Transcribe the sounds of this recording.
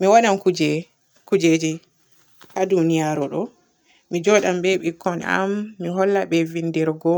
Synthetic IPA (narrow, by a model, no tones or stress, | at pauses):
miwaɗamkud͡ʒɛ | kud͡ʒed͡ʒi | hadunijaɾɔɗɔ | mid͡ʒɔɗambɛɓikʰːɔna̰mːiɦɔlːaɓɛvindɛɾɡɔ